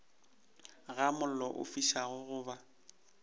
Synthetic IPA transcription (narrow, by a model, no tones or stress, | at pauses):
ɣamʊl̩lɔʔʊ̰fiʃaɣʊɣʊːba